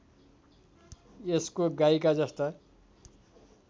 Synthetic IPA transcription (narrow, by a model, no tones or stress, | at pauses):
eskoɡajkad͡zʌst̪a